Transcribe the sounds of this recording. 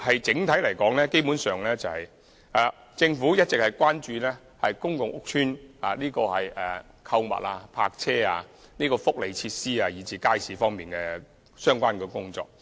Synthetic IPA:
hɐ˨jt͡sɪ˨˥ŋt̪ʰɐ˨˥jlɐ˨˩jkɔː˨˥ŋlɛː˥ke˥jpu˨˥nsœː˨ŋlɛː˥t͡sɐ˨whɐ˨j | aː˨˧ | t͡sɪ˧ŋfuː˨˥jɐ˥t̚t͡sɪ˨k̚hɐ˨jkʷwaː˥nt͡ʃyː˧lɛː˥ | hɐ˨jkʊ˥ŋkʊ˨ŋʔʊ˥k̚t͡ʃʰyː˥na̰˨niː˥kɔː˧hɐ˨jɛː˨˩ | kʰɐ˧wmɐ̰˨t̚aː˧pʰa̰ː˧k̚t͡sʰɛː˥a̰ː˧niː˥kɔː˧fʊ˥k̚le˨˧t͡sʰiː˧t̚siː˥aː˧jiː˨˧t͡siː˧kaː˥jsiː˨˧fɔː˥ŋmiː˨˩nkɛː˧ | sœː˥ŋkʷaː˥nkɛː˧kʊ˥ŋt͡sɔ̰ː˨k̚

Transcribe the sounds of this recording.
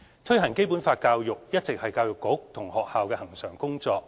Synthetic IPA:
t̪ʰɵ˥ɥɦɐ˨˩ŋke˥jpu˨˥nfaː˧t̚kaː˧wjʊ˨k̚jɐ˥t̚t͡sɪ˨k̚hɐ˨jkaː˧wjʊ˨kːʊ˨˥k̚t̪ʰʊ˨˩ŋhɔː˨k̚haː˨wkɛː˧hɐ˨˩ŋsœː˨˩ŋkʊ˥ŋt͡sɔː˨˧k̚

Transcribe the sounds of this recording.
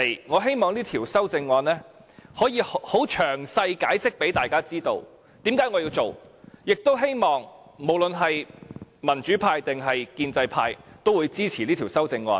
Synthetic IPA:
ŋɔː˨˧ɦe˥jmɔː˨˧ŋniː˥t̪ʰiː˨˩wsɐ˥wt͡sɪ˧ŋːɔː˧nlɛː˥hɔː˨˥jiː˨˧hho˨˥wt͡ʃʰœː˨˩ŋsɐ˧jkaː˨˥jsɪ˥k̚pe˨˥jt̪aː˨jkaː˥t͡siː˥t̪o˧w | t̪iː˨˥mkaː˨˥jŋɔː˨˧ji˧wt͡so˨wjɪ˨k̚t̪o˥wɦe˥jmɔː˨˩ŋ | mo˨˩wlɵ˨nɦɐ˨jmɐ˨˩nt͡ʃy˨˥pʰaː˧jt̪ɪ˨ŋɦɐ˨jkiː˧nt͡sɐ˧jpʰa̰ː˧jt̪o˥wuː˨˧jt͡siː˥t͡sʰiː˨˩liː˥t̪ʰi˨˩wsɐ˥wt͡sɪ˧ŋːɔ̰ː˧n

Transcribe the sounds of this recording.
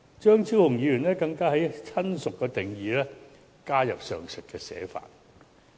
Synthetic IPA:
t͡ʃœː˥ŋt͡sʰi˥whʊ˨˩ŋjiː˨˧˥ɥyː˨˩nɛː˥kɐ˧ŋkaː˥hɐ˨˥jt͡sʰɐ˥nsʊ˨kːɛː˧t̪ɪ˨ŋjiː˨˧lɛː˥ | kaː˥jɐ̰˨p̚sœ̰ː˨ŋsɵ˨t̚kɛː˧sɛ̰ː˨˥fa̰ː˨t̚

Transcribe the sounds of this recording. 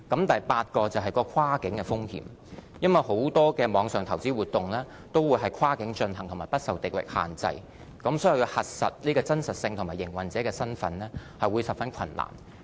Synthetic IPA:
kɐ˨˥mt̪ɐ˨jpaː˧t̚kɔː˧t͡sɐ˨wɦɐ˨jkɔː˧kʷʰwaː˥kɪ˨˥ŋkɛː˧fʊ˥ŋhḭː˨˥m | jɐ˥nwɐ˨˩jho˨˥wt̪ɔː˥kɛː˧mɔː˨˧ŋsœː˨˩ŋt̪ʰɐ˨˩wt͡siː˨˥wuː˨t̚t̪ːʊ˨ŋlɛː˥ | t̪o˥wu˨˧jɦɐ˨jkʰaː˥kɪ˨˥ŋt͡ʃɵ˧nɦɐ˨˩ŋt̪ʰʊ˨˩maː˨˩pɐ˥t̚sɐ˨wt̪ɪ˨k̚wɪ̰˨k̚ha̰ː˨˩nt͡sɐ̰˧j | kɐ˨˥msɔː˨˥jɐ˨˧wjhɐ˨t̚sɐ̰˨t̚niː˥kɔː˧t͡sɐ˥nsɐ˨t̚sɪ˧ŋt̪ʰŋmaː˨jɪ˨˩ŋwɐ˨˩nt͡sɛː˨˥kɛː˧sɐ˥nfɐ̰˨˥nlɛː˥hɐ˨jwu˨˧jsɐ˨p̚fɐ˨˥nkʰɐ̰˨˩nla̰ː˨˩n

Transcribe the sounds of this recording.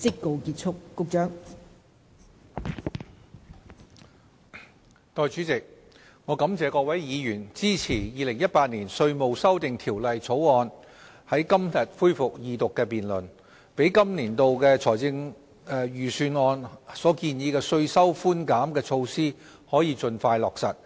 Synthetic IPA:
sɪ˥kkːo˨˧wkiː˧t̚t͡ʃʰʊ˥kːʊ˥k̚t͡ʃœː˥ŋ | t̪ɔː˨˧jt͡syː˨˥t͡sɪ˨k̚ | ŋɔː˨˧kɐ˨˥mt͡sɛː˨˧kɔː˧k̚wɐ˨˥jjiː˨˧jyː˨˩nt͡siː˥t͡sʰiː˨˩jiː˨˧lɪ˨˩ŋjɐ˥t̚paː˧t̚niː˨˩nsɵ˧ɥmo˨wsɐ˥wt̪ɪ˨ŋt̪ʰiː˨˩wlɐ˨jt͡sʰo˨˥wɔː˧n | hɐ˨˥jkɐ˥mjɐ˨t̚fuː˥jfʊ˨k̚jiː˨˧t̪ʊ˨kːɛː˧piː˨nlɵ˨˩n | pe˨˥jkɐ˥mniː˨˩nt̪o˨wkɛː˧t͡sʰɔː˨˩jt͡sɪ˧ŋː˨˧ | ɥyː˨˩syː˨˧nɔː˧nsɔː˨˥kiː˧njiː˨˧kɛː˧sɵ˧ɥsɐ˥wfuː˥nkaː˨˥mkɛː˧t͡sʰo˧wsiː˥ | hɔː˨˥jiː˧t͡sɵ˧nfaː˧jlɔː˨k̚sɐ̰˨t̚

